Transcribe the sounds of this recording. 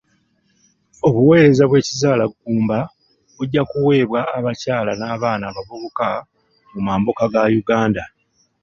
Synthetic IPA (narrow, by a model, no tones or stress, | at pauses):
o̞βuwe̞ːɾe̞zaβwe̞ːcizaːlaɡːuːmba | βuɟːakuwe̞ːβwaːβacaːlanaːβaːnaːβavuβoka | mumaːmbokaɡajuɡaːnda